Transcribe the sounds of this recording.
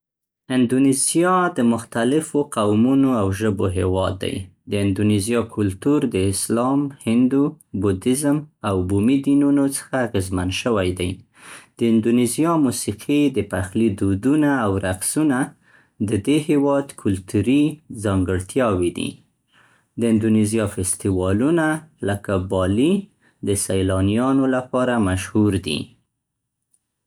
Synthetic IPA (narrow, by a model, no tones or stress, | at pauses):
ɪnd̪unizijɑd̪əmʊxt̪alɪfoqawmunoawʒəboɦewɑd̪ːa̰jd̪əɪnd̪unizijɑkʰʊlt̪uɾd̪əɪslɑmhɪnd̪ubud̪ɪzəmawbumid̪inunot͡sə̥xaːɣezmanʃəwajd̪aj | d̪̥əɪnd̪unizijɑmusiqʰid̪əpaxlid̪ud̪unaːwɾaqsuna | d̪əd̪ehewɑd̪kʰʊlt̪uɾizɑŋɡəɽt̪jɑwid̪ḭ | d̪əɪnd̪unizjɑfɪst̪iwɑlunaləkabɑli | d̪əsajlɑnijɑnolapɑɾamaʃhuɾd̪ḭ